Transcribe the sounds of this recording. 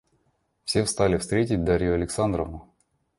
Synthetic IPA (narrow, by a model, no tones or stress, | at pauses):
fsʲe̞fst̪alʲɪfst̪ɾʲetʲɪt̚ʲd̪aɾʲjʊɐlʲɪksand̪ɾəvnʊ